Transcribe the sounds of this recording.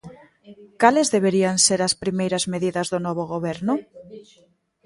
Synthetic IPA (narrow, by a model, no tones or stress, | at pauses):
kalezðeβ̞eɾiaŋseɾɐspɾimejɾɐzmeðiðɐzðʊnɔβ̞oɣoβeɾnʊ